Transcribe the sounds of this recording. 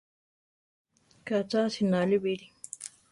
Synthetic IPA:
kat͡sasinalibiɾi

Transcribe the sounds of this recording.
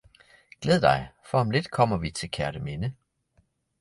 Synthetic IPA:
ɡ̥leðˠd̥ɑ̈ɪfɒɒmle̝d̥kʰɒ̽m̰ɐʋit͡sʰe̝lkʰæɐɾ̥əme̝nə

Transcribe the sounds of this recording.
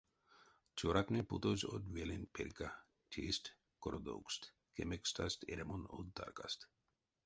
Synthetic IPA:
t͡ʃoɾak̪neput̪ozʲo̰d̪ʋelenpʰeɾka | tʲʰest̪ | koɾod̪o̰wkst̪ | kemekst̪a̰st̪ʰḛɾemono̰d̪̚d̪a̰ɾka̰st̪

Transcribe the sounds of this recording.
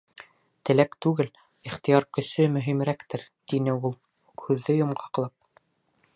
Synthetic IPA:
t̪ɘ̆lækt̪ʉɡɘl | iχt̪ijɑɾkɵ̆sɵmɵ̆ɦimɾækt̪ɘɾ | t̪inɘulˠ | ukhʉðːɘjŏmɢɑɑqlˠɑp̚

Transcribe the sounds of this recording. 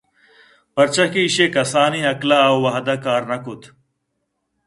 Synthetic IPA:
pɐɾt͡ʃɐkiːɕekɐsaːniːɦɐklawwɐɦɐd̪aːkaːɾnɐkut̪ʰ

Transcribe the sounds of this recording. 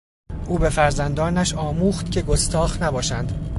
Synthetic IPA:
ʔuːbe̞fæɾzænd̪ɒːnæʃɒːmuːxt̪cʲʰe̞ɡost̪ɒːxnæbɒːʃænd̪̥

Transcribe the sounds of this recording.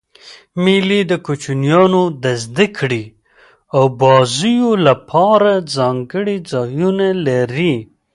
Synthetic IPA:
milid̪əkut͡ʃunjɑnod̪azd̪ikʰɽi | awbɑzijolapʰɑɾazɑŋɡəɽid͡zɑjunalaɾi

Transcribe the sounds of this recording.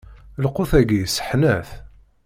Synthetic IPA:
lqoθæɡisə̥ħnæθ

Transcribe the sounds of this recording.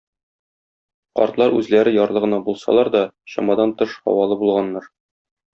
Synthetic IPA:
qɒ̰ɾt̪lˠɑɾʉzlæɾɘjɒɾlˠɤʁɤ̆nɑbulˠsɑ̰lˠɑɾd̪ɒ | ɕɒ̰mɑd̪ɑnt̪ɤʃhɒ̰wɑlˠɤbulˠʁɑnːɑɾ

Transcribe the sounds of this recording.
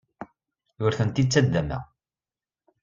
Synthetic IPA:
jʊɾθənt̪it͡sːæd̪ːæmæ̰

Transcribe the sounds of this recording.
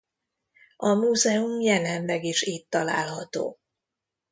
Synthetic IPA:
ɒmuːzɛumjɛlɛnlɛɡiʃiːt̪ːɒla̰ːlɦɒt̪o̰ː

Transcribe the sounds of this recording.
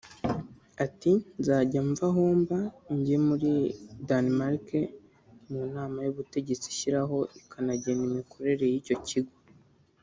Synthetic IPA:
atinzaːɟaɱvaɦoːmbaɲɟemuɾidanmaɾke | munaːmajuβute̞ɟe̞t͡si̥ʃiɾaɦo̞ʔikʰanaɟe̞nimikʰo̞ɾe̞ɾe̞jico̞ciɡwo

